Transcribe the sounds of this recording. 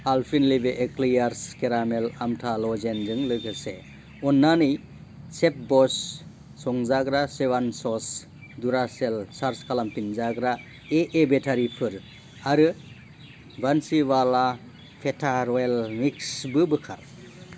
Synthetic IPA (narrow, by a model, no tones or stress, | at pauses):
alpʰinlibeʔeklijaɾskeɾamelamtʰalɔzenzɯŋlɯkʰɯse | ɔnːanɯj | sep̚bɔs | sɔŋzaɡɾasebansɔs | duɾaselsaɾskalampinzaɡɾa | eʔebetʰaɾipʰɯɾ | aɾɯ | bansiwala | pʰetʰaɾɔelmiksbɯbɯkʰa̰ɾ